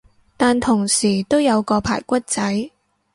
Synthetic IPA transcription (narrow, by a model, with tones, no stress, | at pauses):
t̪aː˨nt̪ʰʊ˨˩ŋsiː˨˩t̪o˥wjɐ˨˧wkɔː˧pʰa̰ː˨˩jkʷɐ˥t̚t͡sɐ˨˥j